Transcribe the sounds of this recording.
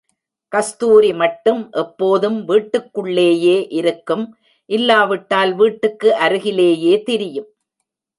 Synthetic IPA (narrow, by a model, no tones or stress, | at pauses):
kɐst̪uːɾimɐʈːɯmʔɛpːoːðɯmʋiːʈːɯkːɯɭːeːjeːʔɪɾɯkːɯm | ʔɪlːaːʋɪʈːaːlʋiːʈːɯkːɯʔɐɾɯɣɪleːjeːt̪ɪɾɪjɯm